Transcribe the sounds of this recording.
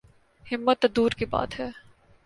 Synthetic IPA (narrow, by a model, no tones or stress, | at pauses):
hɪmːət̪ːd̪uːɾkiba̰ːt̪ɦɛː